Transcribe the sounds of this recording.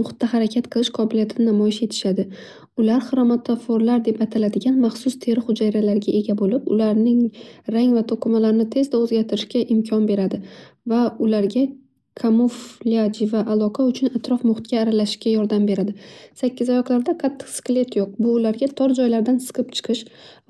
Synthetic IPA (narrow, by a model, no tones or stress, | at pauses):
mʊχt̪ːaɦaɾakʲʰat̪̚qʰɨlˠɪʃqʰɒbɪlijat̪ʰɪnɪnamɒjɪʃe̞t̪ʰɪ̥ʃad̪ɪ | ʊlaɾχɨɾɒmat̪ʰafoɾlaɾd̪e̞pat̪ʰalad̪ɪɡʲanmaχsʊst̪ʰe̞ɾɪχʊd͡ʒajɾalaɾɡʲaʔe̞ɡʲabolɪpʊ̰laɾnɪŋɾaŋvat̪ʰoqʰɨmalaɾɪnɪt̪ʰe̞zd̪aozɡʲaɾt̪ʰɪɾɪʃkʲaʔɪmkʲʰɒnbe̞ɾad̪ɪvaʊlaɾɡʲa | kʰamofliad͡ʒɪvaʔalˠɒqʰaʊt͡ʃʰʊnat̪ɾɒfmʊχt̪̚kʲaːɾalaʃɪ̥ʃkʲajɒɾd̪ambe̞ɾad̪ɪsakʲːɪzɒjɒqlˠaɾd̪aqʰat̪ʰːɨ̥qskʲle̞t̪ʰjoq̚bʊːlaɾɡʲat̪ʰɒɾd͡ʒɒjlaɾd̪ansɨ̥qʰɨp̚t͡ʃʰɨ̥qʰɨʃ